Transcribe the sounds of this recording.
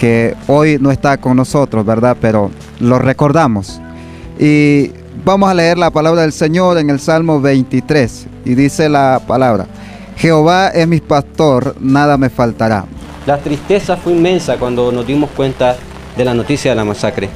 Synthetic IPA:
keojnoest̪akoŋnosot̪ɾozβeɾðapeɾo | lorekoɾðamos | i | bamosaleeɾlapalaβɾaðelseɲoɾeŋelsalmoβejnt̪it̪ɾesiðiselapalaβɾa̰ | xeoβaesmipast̪oɾnaðamefalt̪aɾa̰ | lat̪ɾist̪esafweinmẽ̞nsakwand̪onozd̪imoskwent̪a | ðelanot̪isjaðelamasakɾe

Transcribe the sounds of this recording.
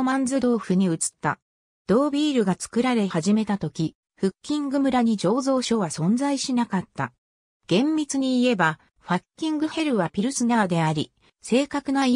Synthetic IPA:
mãnd͡zɨd̪o̞ːɸɯ̟ɲ̟iɯ̟t͡sɨ̥t̪ːa | d̪̥o̞ːbʲiːɾɯ̟ɡat͡sɨ̥kɯ̟ɾaɾe̞haʑime̞t̪at̪o̞kʲi | ɸɯ̟kʲːĩŋɡɯ̟mɯ̟ɾaɲ̟id͡ʑo̞ːzo̞ːɕo̞ːβasõ̞nd͡zaiɕinakat̪ːa̰ | ɡ̥ẽ̞mːʲit͡sɨɲ̟iːe̞ba | ɸakʲːĩŋɡɯ̟he̞ɾɯ̟βapʲiɾɯ̟sɨnad̪e̞aɾʲi | se̞ːkakɯ̟noi

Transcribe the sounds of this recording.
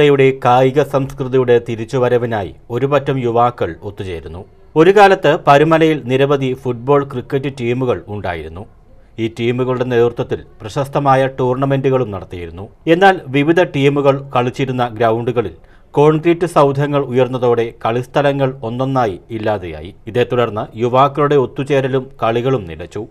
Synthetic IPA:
ɐjuɽe̞kaːjiɣɐsɐmskrɨðijuɽe̞t̪iɾit͡ɕːuʋɐɾɐʋinaːjḭo̞ɾupɐtːɐmjuʋaːkːɐɭo̞t̪ːut͡ɕe̞̰ːɾunːu | o̞ɾukaːlɐt̪ːɨpɐɾumɐlɐjilniɾɐbɐd̪ʱifuʈ̚bo̞ːɭkrikːɐtːɨʈiːmuɣɐɭuɳɖa̰ːjiɾunːu | iːtːiːmuɣɐɭuɽe̞ne̞ːðrt̪ːɐt̪ːilprɐɕɐst̪ɐmaːjɐʈuːrɳɐme̞nduɣɐɭumnɐɽɐt̪ːijiɾunːue̞nːaːlʋiʋid̪ʱɐʈiːmuɣɐɭkɐɭit͡ɕːiɾunːɐɡɾɐwɳɖuɣɐɭil | ko̞ːɳɡritːɨsɐwd̪ʱjɐŋːɐɭujɐrnːɐðo̞ːɽe̞kɐɭist̪ʰɐlɐŋːɐɭo̞nːo̞nːaːjiilːaːðḛja̰ːjḭiðe̞ːt̪ːuɽɐrnːɨjuʋaːkːɐɭuɽe̞o̞t̪ːut͡ɕe̞ːɾɐlumkɐɭiɣɐɭumnḭlɐt͡ɕːu

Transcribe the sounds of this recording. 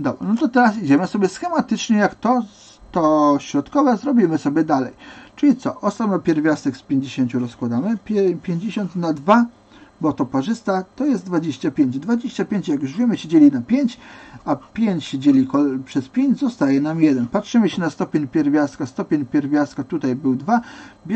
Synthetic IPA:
d̪ɔba̰nɔt̪ɔt̪ɛɾasid͡ʑɛmɘsɔbʲjɛsxɛmat̪ɘt͡ʂɲɛjakt̪ɔ | t̪ɔɕɾɔt̪kɔvɛzɾɔbʲimɘsɔbʲjɛd̪alɛjt͡ʂɘlʲit̪sɔʔɔsamnɔpʲjɛɾvʲjast̪ɛkspʲjeɲd͡ʑeɕeɲʲt͡ɕuɾɔskwad̪amɘpʲpʲjeɲd͡ʑeɕɔnt̪nad̪va | bɔt̪ɔpɔʐɘst̪at̪ɔjɛzt̪d̪vad͡ʑeɕt͡ɕapʲjeɲd͡ʑd̪vad͡ʑeɕt͡ɕapʲeɲt͡ɕjaɡuʐvʲjimɘɕed͡ʑelʲinapʲjeɲt͡ɕapʲjeɲt͡ɕɕed͡ʑelʲikɔpʂɛspʲjeɲd͡ʑzɔst̪ajɛnamjɛd̪ɛnpatʂɘmɘɕɛnast̪ɔpʲeɲpʲɛɾvʲjast̪kast̪ɔpʲeɲpʲjɛɾvʲjast̪kat̪ut̪ajbɘwd̪vabʲ

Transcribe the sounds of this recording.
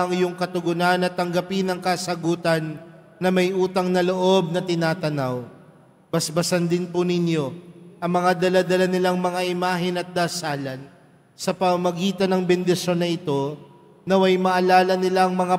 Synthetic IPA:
ɐŋjʊŋkɐt̪ʊɡʊnanɐt̪ːɐŋɡɐpɪnɐŋkasɐɡuːt̪ɐnː | ɐmɐjʔuːt̪ɐŋnɐloʔo̞b̚nɐt̪ɪnaːt̪ɐnaw | bɐsbɐsɐnd̪ɪnpʊnɪnjo̞ʔɐŋmɐŋad̪ɐlad̪ɐlanɪlaŋmɐŋaʔɪmaːɦɪnɐt̪̚d̪aːsaːlɐn | sɐpɐmɐmɐɡiːt̪ɐnɐŋbɛnd̪ɪʃo̞nːɐʔɪt̪o̞ | nɐwɐjmɐʔɐlaːlɐnɪlaŋmɐŋa

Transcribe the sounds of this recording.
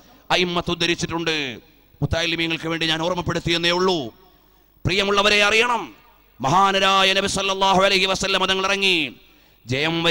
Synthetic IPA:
ɐimːɐt̪ːud̪ːɐɾit͡ɕːiʈːuɳɖɨ | mut̪ːaːjilːimijɐŋːɐɭkɨʋe̞ːɳɖiɲaːnoːrmɐpːe̞ɽut̪ːijenːeːuɭːu | prijɐmuɭːɐʋɐɾe̞ɐrijɐɳɐmː | ɐɦaːnɐɾaːjɐnɐbisɐlːɐlːaːɦuɐlɐɦiʋɐsɐlːɐmɐðɐŋːɐɭirɐŋːi | d͡ʑɐjɐmʋɐ

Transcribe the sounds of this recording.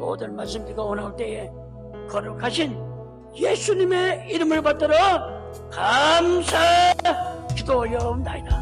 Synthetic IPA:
mo̰dɯnmaɭs̬͈ɯmtiɡaonaɭt͈e̞e | kʌɾɯkʰaɕʰin | je̞sʰuɲime̞iɾɯmɯɭpat̚t͈ʌɾo | kamsʰa | kidojʌmdaida

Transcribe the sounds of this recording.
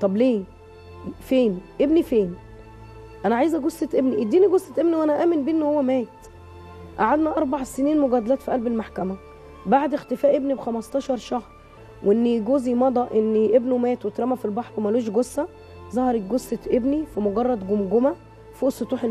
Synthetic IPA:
t̪ˤɑbleː | feːnʔebnifeːn | ʔænæʕajezæɡosːet̪ʔebniʔid̪ːiːniɡosːet̪ʔebniwʔænæʔæːmenbiʔenːohowːæmæːt̪ | ʔaʕad̪næʔɑɾˤbaʕseniːnmoɡæd̪ælæːt̪fiʔælbelmaħkæmæ | baʕd̪ext̪efæːʔebnibxæmɑst̪ˤɑːʃɑɾˤʃɑxsˤ | wʔeʔenːiɡoːzimɑd̪ˤɑʔʔenːiʔebnumæːt̪wet̪ɾˤæmæfilbɑħɾwemæloːʃ̬ɡosːæ | zˤɑhɑɾˤek̚ɡosːet̪ʔebnifimoɡɑrˤːɑd̪ɡomɡomæ | fiʔsːet̪ˤuːħe

